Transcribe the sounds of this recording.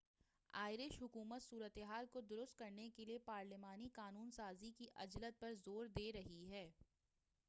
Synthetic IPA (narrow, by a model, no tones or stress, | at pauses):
a̰ːɪɾɪʃɦʊkuːmət̪suːɾət̪eɦaːlkod̪ʊɾʊst̪̚kɐɾnekeliepaːɾlɪmaːniqaːnuːnsaːzikiʔɐd͡ʒlət̪̚pɐɾzoːɾd̪eːɾɐɦiɦɛː